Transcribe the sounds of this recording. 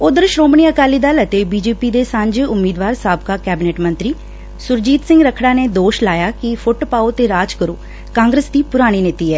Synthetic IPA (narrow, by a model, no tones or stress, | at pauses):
ʊd̪əɾʃɾoːmɳiːəkaːliːd̪aːlət̪eːbiːd͡ʒeːpiːd̪eːsə̃ɲd͡ʒʊmːiːd̪ʋaːɾsaːbkaːkɛːbɪneːʈmənt̪ɾiː | sʊɾd͡ʒiːt̪sɪŋɡɾəkʰɽaːneːd̪oːʃlaːjaːkɪpʰʊʈpaːoːt̪eːɾaːd͡ʒkəɾo̰ː | kãːŋɡɾəsd̪iːpʊɾaːɽ̃iːnɪt̪iːɛː